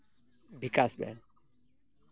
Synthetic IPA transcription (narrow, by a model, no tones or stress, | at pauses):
bʱikʼasbɛ̰n